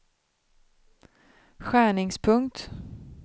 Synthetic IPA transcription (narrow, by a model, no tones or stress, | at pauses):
ɧæːɳɪŋspʰɵŋkt̪